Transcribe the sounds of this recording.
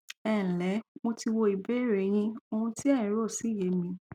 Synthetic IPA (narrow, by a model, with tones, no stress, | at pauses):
ɛ̃˨lɛ˨˦mo˧ti˧wo˧i˨be˦˨ɾe˨j̃ĩ˧o˧ũ˧ti˦ɛ˦˨ĩ˨˦ɾo˦˨si˨˦˨je˨˦mĩ˧